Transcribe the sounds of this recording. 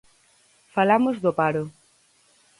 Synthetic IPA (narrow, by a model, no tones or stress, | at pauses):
falamozðopaɾo